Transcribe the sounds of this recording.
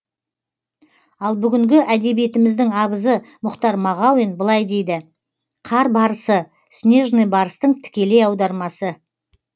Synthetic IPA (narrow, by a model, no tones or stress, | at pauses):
ɑlˠbʏɡʲɪŋɡʲɪʔæd̪e̞bije̞t̪ɪmɪzd̪ɪŋɑbəzəmʊqt̪ɑɾmɑʁɑwinbəlˠɑjd̪e̞jd̪ɪ | qʰɑɾbɑɾəsə | snʲe̞ʒnəjbɑɾəst̪əɴt̪ʰɪ̥kʲe̞le̞jɑwd̪ɑɾmɑsə